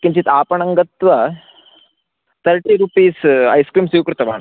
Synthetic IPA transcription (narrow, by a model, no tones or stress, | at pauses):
kiɲt͡ɕiːt̪apəɳɐŋɡət̪ʋə | t̪ʰəɾʈiːɾupiːsa̰jskɾiːmsiwkɾut̪ɐʋa̰ɳ